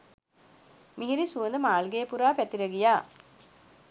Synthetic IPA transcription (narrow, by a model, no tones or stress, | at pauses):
miɦiɾisuənd̪əmaːlɡeːpuɾaːpæt̪iɾəɡijaː